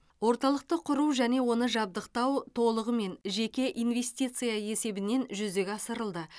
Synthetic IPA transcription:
wo̞ɾt̪ɑlˠəq̚t̪əqʰʊɾuwʒæne̞wo̞nəʒɑb̚d̪əqt̪ɑwt̪ʰo̞lˠəʁəme̞nʒe̞kʲe̞ʔijnve̞st̪ʲijt̪sɨjae̞se̞bɪne̞nʒʏzd̪e̞ɡʲɑsəɾəlˠd̪ə

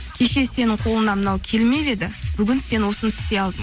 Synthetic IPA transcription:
kʲʰe̞ʃe̞se̞nɪɴqʰo̞lˠənɑmənɑwkʲʰe̞lme̞βe̞d̪ɪb̥ʏɡʲɪnse̞nwo̞sənt̪ʰɪ̥t̪e̞ɑlˠd̪əɴ

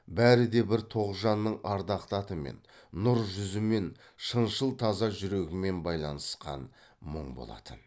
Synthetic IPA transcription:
bæɾɪd̪e̞bɪɾt̪ʰo̞ʁʒɑnːəɴɑɾd̪ɑqt̪ɑt̪əme̞̰nːʊɾʒʏzɪme̞n | ʃənʃəlˠt̪ʰɑzɑʒʏɾe̞ɡʲɪme̞nbɑjlˠɑnəsqɑ̰nməɴbo̞̰lˠɑ̰t̪ʰən

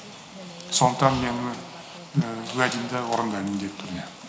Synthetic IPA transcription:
sond̪əqt̪ːɑnmenɪ | wæd̪imd̪ɑwoɾənd̪ɑimd̪et̪ʰʏɾne

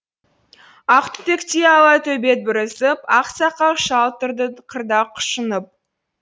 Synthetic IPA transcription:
ɑqt̪t̪ekt̪eɑlˠɑt̪ʰɵbet̪̚bɪɾəsəpɑqsɑqɑʃɑlˠt̪əɾd̪əqʰəɾd̪ɑqʰʊ̥ʃənəp̚

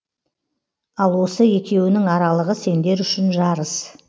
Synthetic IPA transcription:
ɑlˠwo̞səje̞kʲe̞wɪnɪŋɑɾɑlˠəʁəse̞nd̪e̞ɾʏʃɪnʒɑɾəs

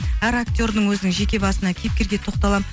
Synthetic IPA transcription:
æɾakt̪ʲo̞ɾd̪əɴwɵzɪnɪŋʒe̞kʲe̞bɑsənɑkʲʰe̞p̚kʲe̞ɾɡʲe̞t̪ʰo̞q̚t̪ɑlˠɑm

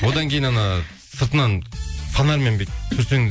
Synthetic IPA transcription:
wod̪ɑŋkʲejinɑnɑ | səɾt̪ənɑnsɑnɑɾmembet̪tʰːɵɾseŋd̪

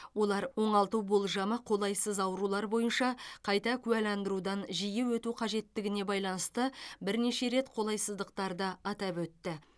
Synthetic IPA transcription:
wo̞lˠɑɾwo̞ɴɑlˠt̪uwbo̞lˠʒɑməqʰo̞lˠɑjsəzɑwɾulˠɑɾbo̞jənʃɑqʰɑjt̪ɑkʲʰʉælɑnd̪əɾud̪ɑnʒijewɵt̪uqʰɑʒe̞t̪ːɪɡʲɪne̞bɑjlˠɑnəst̪əbɪɾne̞ʃe̞ɾe̞t̪qʰo̞lˠɑjsəzd̪əq̚t̪ɑɾd̪əɑt̪ɑpwɵt̪ːɪ

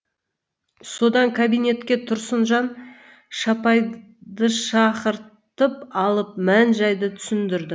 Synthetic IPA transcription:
so̞d̪ɑŋkʰabijne̞t̪kʲe̞t̪ʰʊɾsənʒɑn | ʃɑpɑj | d̪əʃɑqəɾ | t̪əpɑlˠəp̚mænʒɑjd̪ət̪ʰʏ̥sɪnd̪ɪɾd̪ɪ

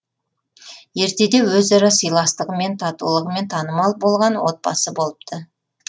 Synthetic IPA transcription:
je̞ɾt̪e̞d̪e̞wɵzɑɾɑsəjlˠɑst̪əʁəme̞nt̪ʰɑt̪ṵlˠəʁəme̞nt̪ʰɑnəmɑlˠbo̞lˠʁɑnwo̞t̪̚pɑ̰səbo̞lˠəp̚t̪ʰə

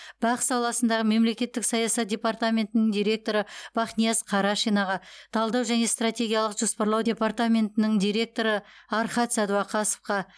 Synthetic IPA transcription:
b̥ɑqsɑlˠɑsənd̪ɑʁəme̞mle̞kʲe̞t̪ːɪksɑjɑsɑt̪̚d̪ʲe̞part̪amʲe̞nt̪ɪnɪŋd̪ijɾʲe̞k̚t̪o̞ɾəb̥ɑχnijasqʰɑɾɑʃijnɑʁɑt̪ʰɑlˠd̪ɑwʒæne̞st̪rat̪ʲe̞ɡʲijalˠəqʒ̥o̞spɑɾlˠɑwdʲe̞part̪amʲe̞nt̪ɪnɪŋd̪ʲijɾe̞k̚t̪o̞ɾəɑɾχɑt̪sæd̪uɑqʰɑsə̥fqɑ

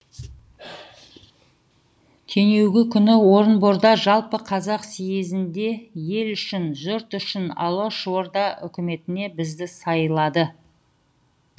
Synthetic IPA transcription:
t̪ʰe̞ŋe̞wɡʲɪkʲʰʏnɪwo̞ɾənbo̞ɾd̪ɑʒɑlˠpəqʰɑzɑqsijezɪnd̪e̞je̞lʏʃɪnʒʊɾt̪ʏʃɪnɑ̰lˠoʃwo̞ɾd̪ɑʔʏ̰kʲɪme̞t̪ɪne̞bɪzd̪ɪsɑjəlˠɑd̪ə

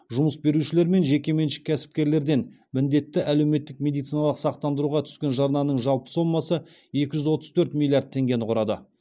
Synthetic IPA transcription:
ʒʊməsbe̞ɾuʃɪle̞ɾme̞nʒe̞kʲe̞me̞nʃɪ̥kʲʰːæsɪ̥p̚kʲe̞ɾle̞ɾd̪e̞n | mɪnd̪e̞t̪ːɪʔæle̞wme̞t̪ːɪk̚mʲe̞d̪it̪sijnɑlˠəqsɑq̚t̪ɑnd̪əɾuʁɑt̪ʰʏ̥skʲe̞nʒɑɾnɑnəɴʒɑlˠpə̥so̞mːɑsə | e̞kʲɪʒʏzwo̞t̪əz̥t̪ʰɵɾt̪mʲilʲːˠijard̪̚ʰe̞ŋɡʲe̞nɪqʰʊɾɑd̪ə̰

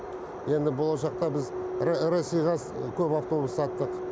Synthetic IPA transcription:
je̞nd̪ɪbo̞lˠɑʃɑqt̪ɑbɪzɾɾesʲijʁɑskʲʰɵpaft̪o̞bussɑt̪ːəq

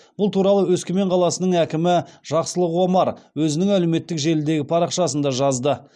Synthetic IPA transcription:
b̥ʊlˠt̪ʰuɾɑlˠəwɵskʲeme̞ɴqʰɑlˠɑsənəɴækʲɪmɪʒ̥ɑqsəlˠəqwomɑɾwɵzɪnɪŋælewme̞t̪ːɪkʒe̞lɪd̪e̞ɡʲɪpʰɑɾɑqʃɑsənd̪ɑʒɑzd̪ə

